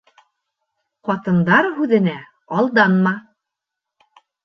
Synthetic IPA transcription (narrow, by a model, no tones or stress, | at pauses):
qɑt̪ɤ̆nd̪ɑɾɦʉðɘ̆næ | ɑlˠd̪ɑnmɑ